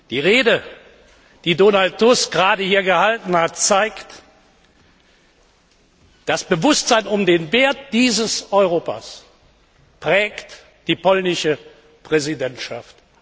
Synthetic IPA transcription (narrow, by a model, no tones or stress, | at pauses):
d̥iːʁeːdə | d̥iːdoːnalttːʊsɡ̥ʁaːdəhiːɐɡəhaltn̩hat̚t͡saɪkt | d̥asb̥əvʊstz̥aɪnʊmdeːnveːɐtd̥iːzəsɔʏʁoːpa̰s | pʁ̥ɛːkt | d̥iːpɔlnɪʃə | pʁ̥ɛzidɛntʃaft